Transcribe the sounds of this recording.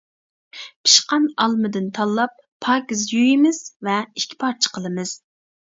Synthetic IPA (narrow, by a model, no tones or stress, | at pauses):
pʰi̥ʃqɑnɑlˠmɨd̪ɨnt̪ʰɑlˠːɑp̚ʰːɑːkʲizjujimɪz̥vɛi̥kʲʰːi̥pʰɑɾt͡ʃʰə̥qʰəlˠɨmɨz̥